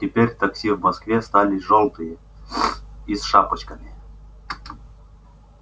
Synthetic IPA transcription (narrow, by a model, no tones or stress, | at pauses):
tʲɪpʲeɾʲt̪ɐksʲivmɐskvʲest̪alʲɪʐolˠt̪ɨjə | isʂapət͡ɕkəmʲɪ